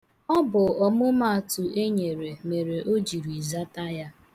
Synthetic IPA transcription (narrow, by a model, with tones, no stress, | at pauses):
ɔ˦bʊ˨ɔ˨mʊ˦ma˦˨tu˨e˦ɲe˨ɾe˨me˨ɾe˨ʔo˦d͡ʒi˨ɾi˨za˦ta˦ja˦